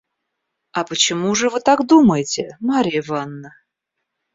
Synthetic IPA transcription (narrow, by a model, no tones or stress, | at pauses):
ɐpət͡ɕɪmuʐɨvɨt̪akd̪uməjɪtʲɪmaɾʲɪɪvanːə